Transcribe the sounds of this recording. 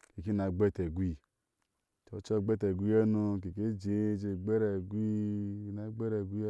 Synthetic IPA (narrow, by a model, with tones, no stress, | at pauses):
ke˨ki˦na˨ɡ͡be˦te˨ɡʷi˧˨ | t͡ʃo˨˦t͡ʃɔ˦˨ɡ͡bɛ˦te˨ɡʷi˦e˦nu˧ke˨ke˦d͡ʒe˨˦d͡ʒe˧˨ɡ͡be˦ɾɛ˨ɡʷi˦i˦na˨˦ɡ͡be˦ɾɛ˨ɡʷi˦